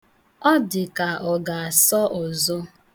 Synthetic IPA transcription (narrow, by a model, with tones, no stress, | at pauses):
ɔ˦dɪ˨ka˨ɔ˨ɡa˨a˨sɔ˦ʔɔ˨zʊ˦